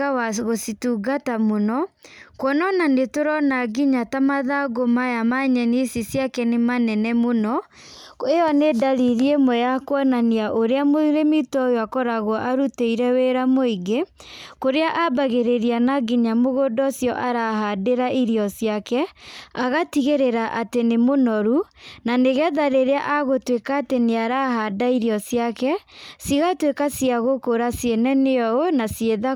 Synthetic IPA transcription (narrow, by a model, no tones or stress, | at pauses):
awaɣosituɡatamonɔkwɔnɔnanetoɾɔnaɡiɲatamaðaɡomajamaɲɛnesisjakɛnemanɛnɛmonɔ | eɔnedaɾiɾiemwɛjakwɔnaniaʔoɾeamoɾemitɔjoakɔɾaɣwɔʔaɾuteiɾɛweɾamoiɡe | koɾeaʔabaɣeɾeɾianaɡiɲamoɣodɔsjɔʔaɾaɦadeɾaʔiɾiɔsjakɛaɣatiɣeɾeɾaʔatenemonɔɾunaneɣɛðaɾeɾeaʔaɣotwekaːteneaɾaɦadaiɾjɔsjakɛsiɣatwekasiaɣokoɾasjenɛneɔonasjeða